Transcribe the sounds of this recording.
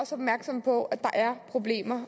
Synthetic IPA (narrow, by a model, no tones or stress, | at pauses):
ɒ̽sɒ̽b̥mæɐɡ̥sɒ̽m̰pʰɒ̽ʔæ̥ɑ̈ʔæɐpʰʁo̝b̥le̝̰ːmɐ